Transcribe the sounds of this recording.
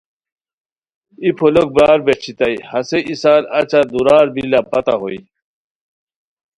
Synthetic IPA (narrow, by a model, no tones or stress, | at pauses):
ipʰolok̚baːɾbet͡ɕʰit̪ɐjhɐseʔisaːlɐt͡ɕad̪uɾaːɾbilapɐt̪aɦoi